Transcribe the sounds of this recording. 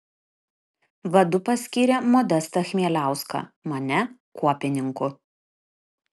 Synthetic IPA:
ʋɐd̪ʊpɐsʲkʲiːɾʲɛmɔd̪ʲɛst̪ɐxʲmʲiɛlʲæˑʊskɐ̰mɐnʲɛkuɔpʲɪnʲɪŋkʊ

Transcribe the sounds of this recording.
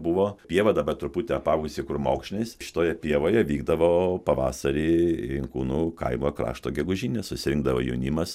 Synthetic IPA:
bʊʋoːpʲiɛʋɐd̪ɐbɐt̪ɾʊput̪ʲɛɐpɑːɡsʲɪkʊrmoːkʃʲnʲesʃʲɪ̥t̪oːjɛpʲiɛʋoːjɛʋʲiːɡd̪ɐʋoːpɐʋɑːsɐɾʲiːɪŋkuːnuːkɐ̰ɪmoːkɾɑ̰ːʃt̪oːɡʲɛɡʊʒʲiːnʲɛsʊsʲɪɾʲɪŋɡ̚d̪ɐʋo̰ːjɛ̰ʊnʲimɐs

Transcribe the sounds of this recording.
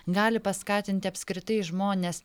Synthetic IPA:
ɡɑːlʲɪpɐskɑːt̪ʲɪnʲt̪ʲɪɐpʲsʲkɾʲɪt̪ɐɪʒmoːnʲes

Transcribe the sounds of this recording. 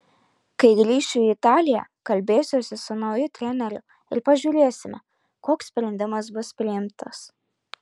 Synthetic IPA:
kɐɪɡɾʲiːʃʲt͡ʃʲuɪt̪ɑːlʲɪjɛ̰kɐlʲbʲeːjsʲoːsʲɪsʊnɒʊjʊt̪ʲɾʲɛnʲɛɾʲʊ | ɪ̰ɾpɐʒʲuːɾʲeːsʲɪmʲɛ | koːksʲsʲpʲɾʲɛnʲd̪ʲɪmɐs̬bʊspʲɾʲɪɪmt̪ɐs

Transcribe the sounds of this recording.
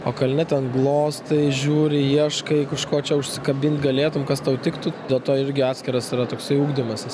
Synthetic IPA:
oːkɐlʲnʲɛt̪ʲɛnɡlˠoːst̪ɐɪʒʲuːɾʲɪjiɛʃkɐɪkɐʃkoːt͡ʃʲɛʊʃʲsʲɪkɐbʲɪnʲt̪ʲɡɐlʲeːt̪ʊmkɐst̪ɐʊt̪ʲɪkt̪ʊd̪ʲeːlˠt̪oːɪɾʲɡʲɪɑːt̪ʲsʲkʲɪɾɐsiɾɐt̪oːksɐɪuːɡd̪ʲɪmɐsʲɪs

